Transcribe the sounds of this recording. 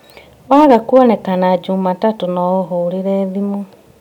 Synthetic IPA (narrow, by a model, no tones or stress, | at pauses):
waɣakwɔnɛkanad͡ʒuːmatatonɔoɦoːɾeɾɛðimu